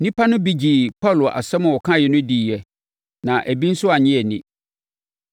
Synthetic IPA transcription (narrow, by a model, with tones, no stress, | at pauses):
nĩ˦pʰa˦nʊ̃˦bi˦d͡ʑi˨pɔ˦˨lʊ˨a̰˨sɛ˦mʊ̃˨wɔ˨kʰã˦˨jɛ˨nʊ̃˦di˨jɛ˨ | nã˨ʔæ˨bi˦n̩˦sʊ˦a˨ɲɪ̃˦ɛ˨nɪ̃˨